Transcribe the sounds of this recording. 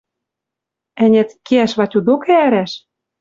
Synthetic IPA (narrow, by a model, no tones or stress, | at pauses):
æ̆nʲæ̆t̪keæʃβɑtʲud̪okææɾæʃ